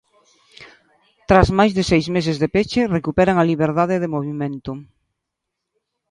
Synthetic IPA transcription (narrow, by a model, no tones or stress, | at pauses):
t̪ɾazmajzðɪsejzmes̬ɪzðepet͡ʃɪrekupɛɾaŋaliβeɾðaðɪðɪmoβ̞imẽnt̪ʊ